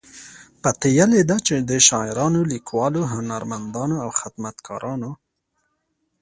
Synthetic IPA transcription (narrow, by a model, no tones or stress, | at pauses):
pat̪ejaled̪at͡ʃed̪əʃɑɪɾɑnolikwɑloɦʊnaɾmand̪ɑnoawxɪd̪mat̪kʰɑ̰ɾʔɑno